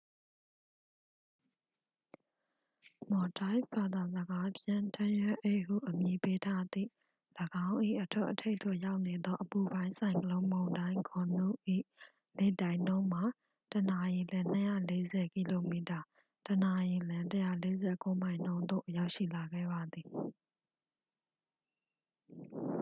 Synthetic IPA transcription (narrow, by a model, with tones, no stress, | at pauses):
mɔ˨ta˦ɪba˨d̪a˨zəɡa˦pjɪ̃˦˨ntʰã˦jɛ˦ʔe˦˨hṵ˦˨ʔəmji˨pe˦tʰa˦d̪ḭ˦˨ | ləɡã˦ʊ̃ʔḭ˦˨ʔətʰwɛ̰˦ʔətʰe˦ɪt̪o̰˦˨ja˦ʊʔne˨d̪ɔ˦ʔəpu˨bã˦ɪ̃nsʰã˨ɪ̃ŋkəlõ˦ʊ̃mõ˨ʊ̃ndã˦ɪ̃ŋkʰɔ˨nṵ˦˨ʔḭ˦˨ | le˦˨tã˨ɪ̃nõ˦ʊ̃m̥a˨ | təna˨ji˨lã˦n̥əjä̰˦˨le˦zɛ˨ki˦˨lo˨mi˨ta˨ | təna˨ji˨lã˦təja̰˦˨le˦zɛ˦˨ko˦m̥ã˨ɪ̃n̥õ˦ʊ̃nd̪o̰˦˨ja˦ʊʔʃḭ˦˨la˨ɡɛ̰˦˨ba˨d̪i˨